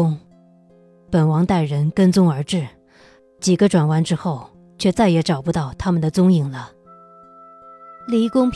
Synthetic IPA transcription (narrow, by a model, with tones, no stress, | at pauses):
ʊ˥ŋ | pə˨˩nwɑ˧˥ŋt̪a˥˩ɪɻə˧˥nkə˥nt͡sʊ˥ŋə˞˧˥ʈ͡ʂɻ̩˥˩ | t͡ɕi˨˩ɡə˧˦ʈ͡ʂwa˨˩nwa˧˥nʈ͡ʂɻ̩˥xo˥˩ʊ | t͡ɕʰɥɛ˥˧t͡sa˥˩ɪjɛ˧˥ʈ͡ʂɑ˨˩ʊpu˧˥t̪ɑ˥˩ʊt̪ʰa˥mə˨nd̪ə˩t͡sʊ˥ŋi˨˩ŋlə˦ | li˧˥kʊ˥ŋpʰ